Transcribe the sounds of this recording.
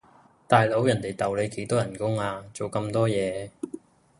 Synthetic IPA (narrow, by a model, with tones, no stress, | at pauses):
t̪aː˨jlo˨˥wjɐ˨˩nt̪e˨jt̪ɐ˨˩wle˨˧jke˨˥jt̪ɔː˥jɐ˨˩nkʊ˥ŋaː˧t͡so˨wkɐ˧mt̪ɔː˥jɛː˨˧